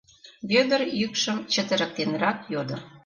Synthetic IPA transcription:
βød̪ə̆ɾjykʃə̆mt͡ɕə̆t̪ə̆ɾə̆k̚t̪enrɑkjod̪ɤ̆

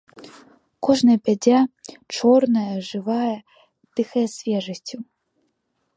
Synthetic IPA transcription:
kɔʐnɐjɐpʲad͡zʲat͡ʂɔrnɐjɐʐɨvajɐ | t̪ɨxɐjɐsʲvʲɛʐɐsʲt͡sʲu

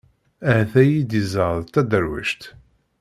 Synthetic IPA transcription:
æhθæjid̪izˤəɾðˤt̪ːæd̪əɾwə̰ʃt̪

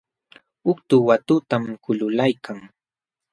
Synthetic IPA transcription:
ʊkt̪ʊwat̪ʊt̪amkʊlʊlajkaŋ

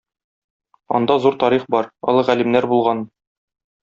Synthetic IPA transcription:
ɒ̰nd̪ɑzuɾt̪ɒɾiχbɒɾɒ̰lˠɤʁælimnæɾbulˠʁɑn

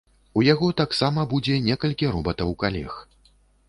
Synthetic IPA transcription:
ujaɣɔt̪aksamɐbud͡zʲɛnʲɛkɐlʲkʲiɾɔbɐt̪ɐwkalʲɛ̰x

